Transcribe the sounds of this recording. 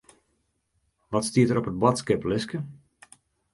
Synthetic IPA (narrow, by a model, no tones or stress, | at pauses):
ʋɔtstiətəɾɔpət̚bɔtskɪplɪskə